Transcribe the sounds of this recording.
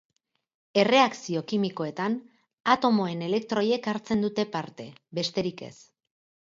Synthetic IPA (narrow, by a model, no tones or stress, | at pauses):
e̞re̞aksio̞kimiko̞e̞t̪an | at̪o̞mo̞e̞ne̞le̞k̚t̪ɾo̞je̞kaɾt͡se̞nd̪ut̪e̞paɾt̪e̞̰βe̞st̪e̞ɾike̞̰s